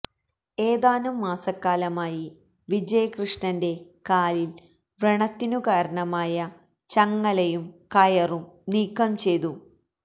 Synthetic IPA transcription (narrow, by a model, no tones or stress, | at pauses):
eːðaːnumːaːsɐkːaːlɐmaːji | ʋid͡ʑɐjɐkrɨʂɳɐnde̞ | kaːlil | ʋreɳɐt̪ːinukaːɾɐɳɐmaːjɐ | t͡ɕɐŋːɐlejumkɐjɐrumniːkːɐmt͡ɕe̞jt̪u